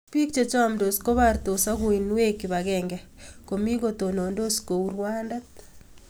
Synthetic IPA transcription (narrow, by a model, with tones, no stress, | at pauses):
pi˦k̚t͡ʃe˨t͡ʃa˨mdo˨sko˦βaɾt̪o˨sa˦ɣo˨i˨nwe˦ki˨βa˨ɣɛŋɡɛ | ko˨mi˦ɣot̪o˨no˨ndo˦sko˨uɾwanda˦t̪̚